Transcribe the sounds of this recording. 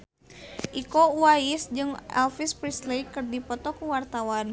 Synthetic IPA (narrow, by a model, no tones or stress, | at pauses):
ʔikouwaisd͡ʒɨŋɛ̰lfispɾislejkɨrdipɔt̪ɔkuwart̪awan